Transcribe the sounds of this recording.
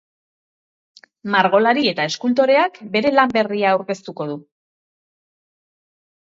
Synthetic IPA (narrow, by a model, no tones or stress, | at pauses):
maɾɣo̞laɾie̞t̪ae̞skult̪o̞ɾe̞akbe̞ɾe̞lambe̞riaːwɾke̞st̪uko̞ðu